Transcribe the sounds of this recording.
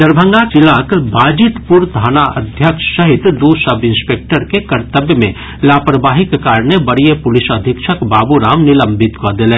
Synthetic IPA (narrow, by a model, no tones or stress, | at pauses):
d̪əɾbʱə̃ŋɡat͡ʃɪlaːkbaːd͡ʒɪt̪pʊɾd̪ʱaːnaʔɐ̰d̪ʱjəkʃsɐɦɪt̪d̪uːsəbɪ̃nspeːk̚ʈəɾkekɐɾt̪əbjəmḛ̃ | laːpɾbaːɦɪkːaːɾnebɐɽijepʊlɪsəd̪ʱəkʃəkbaːbuɾaːmnɪlə̃mbɪt̪kod̪ɪleː